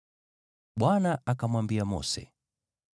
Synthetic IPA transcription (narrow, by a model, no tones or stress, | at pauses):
ɓwanaakamwambiamɔ̰sɛ̰